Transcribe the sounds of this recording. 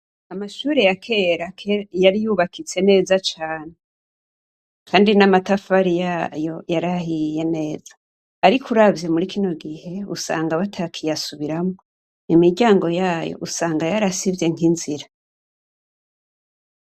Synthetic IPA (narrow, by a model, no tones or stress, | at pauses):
amaʃuːɾejakʰe̞ɾakʰejaɾijuβakʰit͡se̞ne̞ːzat͡ʃaːne | kʰaːndinamatafaɾijajojaɾahije̞ne̞ːz̥ḁː | ɾikuɾavjemuɾikʰino̞ɡihe̞ṵsa̰ːŋɡaβatʰakʰijasuβiɾamŋoo | imiɡɟaːŋɡo̞jaːjo̰ʔusaːŋɡajaɾasivje̞ŋhinziɾa